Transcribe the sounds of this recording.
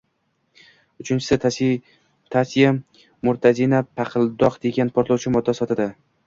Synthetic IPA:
ʊt͡ʃʰɪnt͡ʃʰɪ̥sɪ | t̪ʰasija | mʊɾt̪ʰazinapʰaqʰɨlˠd̪ɒqd̪e̞ɡʲanpʰoɾt̪lˠɒwt͡ʃʰɪmɒd̪ːasɒt̪ɪd̪ɪ

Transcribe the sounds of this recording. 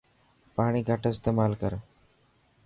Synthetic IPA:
paːɽ̃iːɡʱaʈoɪst̪emaːlkəɾ

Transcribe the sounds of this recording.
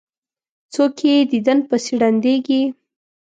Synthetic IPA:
t͡sokʰed̪id̪ənpəsiɽand̪eɡi

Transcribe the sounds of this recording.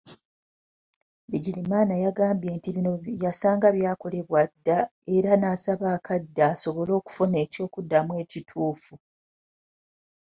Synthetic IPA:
βiɟilimaːnajaɡaːmbje̞ːntiβinojasaːŋɡaβjaːko̞le̞βwadːae̞ɾanasaβaːkʰadːaːso̞βo̞lo̞ːku̥fone̞ːco̞ːkudːamwe̞ːcitʰuːfu

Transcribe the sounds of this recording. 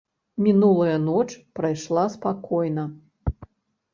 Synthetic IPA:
mʲinulˠɐjɐnɔt͡ʂpɾajʂlˠaspakɔjnɐ

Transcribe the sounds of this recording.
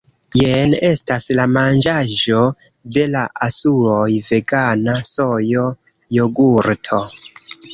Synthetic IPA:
jene̞staslamand͡ʒaʒo̞ | de̞laʔasuojve̞ɡanaso̞jo̞ | joɡuɾtʰo̞

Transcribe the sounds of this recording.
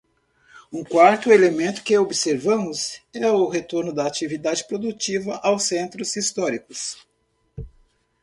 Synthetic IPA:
ũkwaɾt̪ʊelemẽnt̪ʊ̥kɪobiseɾvɐ̃mʊzɛʊɦet̪oɾnʊd̪ɐːt͡ʃivid̪ad͡ʒɪpɾod̪ut͡ʃivɐʔawsẽnt̪ɾʊzist̪ɔɾikʊs

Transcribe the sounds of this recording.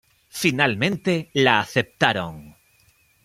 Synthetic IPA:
finalmẽ̞nt̪e̞laːθe̞p̚t̪aɾoŋ

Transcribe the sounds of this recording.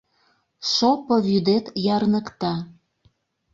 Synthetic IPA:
ʃopoβyd̪et̪jɑrnəkt̪ɑ

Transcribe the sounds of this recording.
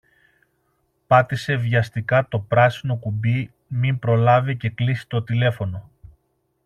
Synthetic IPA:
pɐt̪ise̞vʝɐst̪ikɐt̪o̞pɾɐsino̞kubi | mimpɾo̞lɐvice̞klisi̥t̪o̞t̪ile̞fo̞no̞

